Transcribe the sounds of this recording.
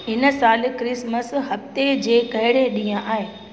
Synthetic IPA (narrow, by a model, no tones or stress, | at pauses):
ɦɪnə̆saːl̆kɾɪsməsɦɐft̪ed͡ʑeːkɐɦɪɽeɗĩːãʔaːɦeː